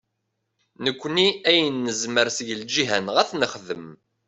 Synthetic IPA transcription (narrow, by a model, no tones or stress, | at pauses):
nəkʷːniæjənːəzməɾsəʝəld͡ʒiɦænʁæθnəχðəm